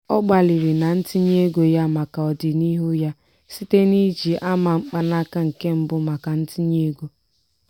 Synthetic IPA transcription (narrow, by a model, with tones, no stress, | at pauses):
ɔ˦ɡ͡ba˨li˨ɾi˨na˨n̩˦ti˦ɲe˦ɡo˨ja˦ma˨ka˨ɔ˨dɪ˨ni˦ɦu˦ja˦ | si˦te˦ni˦d͡ʒi˨ʔa˦ma˨ŋ͡m̩˦k͡pa˦na˦ka˦ŋ̩˨ke˦m̩˦bʊ˦ma˨ka˨n̩˦ti˦ɲe˦ɡo˦